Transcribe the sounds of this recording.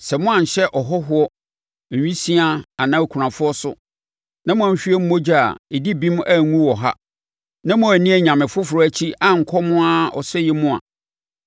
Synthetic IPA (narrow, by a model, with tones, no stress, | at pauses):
sɛ˨mʊ̃˦ã˨ɲ̩˨ɕɛ˦ʔɔ˨ɦɔ˦ɦʊ˦ɔ˦˨ | ɥᶣĩ˦si˦a˦a˨nã˦˨kʷʰu˨ɾã˨fʊ˦ɔ˦sʊ̰˦ | nã˦mʊ̃˦ã˨˦ɲ̩˨ɕᶣi˦e˦m̩˦mo˦d͡ʑi˦a̰˨e˨di˦bĩ˦m˦a˦˨ŋũ˦wɔ˨ɦa̰˦ | nã˦mʊ̃˦æ˨nĩ˦ɛ˨ɲã˨mɪ̃˨fʊ˦fʊ˨ɾɔ˦æ˦t͡ɕʰi˦a˨ŋ̩˨kʰɔ˦mʊ̃˦a˦ɔ̰˨sɛ˦jɛ˦mʊ̃˦a̰˨